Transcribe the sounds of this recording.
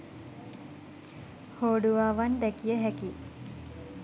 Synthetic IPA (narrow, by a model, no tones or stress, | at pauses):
hoːɖuʋaːʋand̪ɛkijəɦɛki